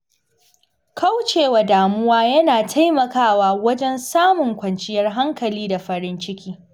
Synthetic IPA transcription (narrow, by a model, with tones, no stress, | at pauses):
kɐ˦wt͡ʃeː˨wa˨daː˨mʊ˦waː˦jɐ˦naː˨tʰa˦jmɐ˨kaː˦waː˦wɐ˦d͡ʒɛ˦nsaː˦mʊ˨ŋkʷɐ˨nt͡ʃɪ˦jɐ˦rɦa˦ŋkɐ˨liː˦da˨ɸɐ˨ɾɪ˦nt͡ʃɪ˦kʲiː˦